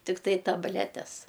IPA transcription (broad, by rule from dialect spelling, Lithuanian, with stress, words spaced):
tʲɪkˈtɐɪ tɐbʲˈlʲæːtʲɛs